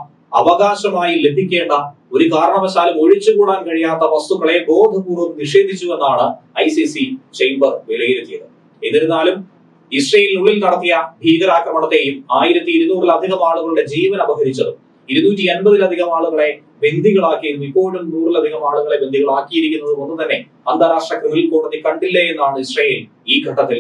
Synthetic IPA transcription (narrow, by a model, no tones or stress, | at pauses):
ɐʋɐɣaːɕɐmaːjile̞bʱikʲːe̞ːɳɖɐ | o̞ɾukaːɾɐɳɐʋɐɕaːlɐmo̞ɻit͡ɕːɨɣuːɽaːnkɐɻijaːt̪ːɐʋɐst̪uɣɐɭe̞ɡo̞ːd̪ʱɨkuːrumniʂe̞ːd̪ʱit͡ɕːue̞nːaːɳɨɐjsisit͡ɕejmbɐrʋelɐjiɾet̪ːijɐðɨ | ḛnːiɾenːaːlum | isreːjilnuɭːilnɐɽɐt̪ːijɐbʱiːɣɐɾaːkrɐmɐɳɐt̪ːe̞ːjumaːjiɾɐt̪ːiːɾunuːrilɐd̪ʱiɣɐmaːɭuɣɐɭuɽe̞d͡ʑiːʋɐnɐbɐɣɐɾit͡ɕːɐðɨ | iɾunuːtːienbɐðilɐd̪ʱiɣɐmaːɭuɣɐɭe̞ | be̞nd̪ʱiɣɐɭaːkːijiɾunːuipːo̞ːɭumnuːrilɐd̪ʱiɣɐmaːɭuɣɐɭe̞bend̪ʱiɣɐɭaːkːijiɾikʲːunːɐðɨmonːut̪ɐnːe̞ | ɐnd̪ʱaːɾaːʂʈrɐkrɨʋililkoːɽɐnːikɐɳɖilːɐjenːaːɳɨisrɐjel | iːɡʱɐʈːɐt̪ːil